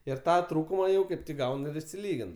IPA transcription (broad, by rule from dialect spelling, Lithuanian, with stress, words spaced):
ɪr ˈtɑː ˈtruːkʊmɐ jɛʊ ˈkɐɪp ˈɡɐʊn ɪr ɪʃʲsʲɪˈlʲiːɡʲɪn